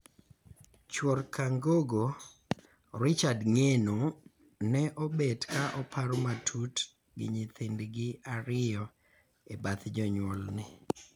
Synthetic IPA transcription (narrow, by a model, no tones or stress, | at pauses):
t͡ʃwɔɾkaŋɡoɡo | ɾɪt͡ʃadŋeno | nɛʔɔbedkaʔɔpʰaɾomatʰut | ɡɪ̰ɲɪt̪ɪndɡɪaɾɪjɔ | ebat̪d͡ʒɔɲwɔlnɪ